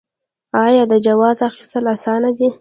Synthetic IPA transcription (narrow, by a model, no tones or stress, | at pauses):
ɑjɑd̪əd͡ʒawɑzɑxist̪əlasɑnad̪i